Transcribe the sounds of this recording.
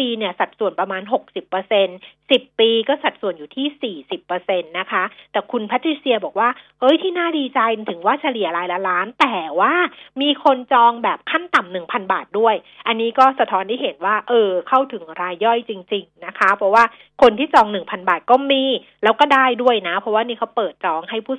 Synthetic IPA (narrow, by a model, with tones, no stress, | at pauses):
piː˧ni˥˩ɐsa˨˩t̪̚su˨˩ənpɾa˧maː˧nɦo˨˩k̚si˨˩pːɤ˧se˧nsi˨˩pːiː˧kɔː˥˩sa˨˩t̪̚su˨˩ənjuː˨˩t̪ʰiː˥˩siː˨˩si˨˩pːɤː˧se˧nːa˦˥kʰa˦˥t̪ɛː˨˩kʰu˧npʰa˦˥t̪ʰːɾi˦˥si˧ɐbɔː˨˩k̚waː˥˩hɤ˦˥jt̪ʰiː˥˩naː˥˩diː˧t͡ɕa˧jt̪ʰɯ˩˦ŋwaː˥˩t͡ɕʰa˧li˨˩ɐɾaː˦˥jla˦˥ɾaː˦˥nt̪ɛː˨˩waː˥˩miː˧kʰo˧nt͡ɕɔː˧ŋbɛː˨˩p̚kʰa˥˩nt̪a˨˩mnɯ˨˩ŋpʰa˧nba̰ː˨˩t̪̚du˥˩əj | ʔa˧nːiː˦˥kɔː˥˩sa˧t̪ʰɔː˦˥nt̪ʰaː˥˩ɦe˨˩˦nwaː˥˩ʔɤː˧kʰa˥˩wt̪ʰɯ˩˦ŋɾaː˧jːɔ˥˩jt͡ɕi˧ŋt͡ɕi˧ŋna˦˥kʰa˦˥pʰɾɔ˦˥waː˥˩ | kʰo˧nt̪ʰiː˥˩t͡ɕɔː˧ŋnɯ˨˩ŋpʰa˧nbaː˨˩t̪̚kɔː˥˩miː˧ | lɛː˦˥wkɔː˥˩daː˥˩jdu˥˩əjna˦˥pʰɔ˦˥waː˥˩ni˦˥kʰa˦˥wpɤː˨˩t̪̚t͡ɕɔː˧ŋha˥˩jpʰuː˥˩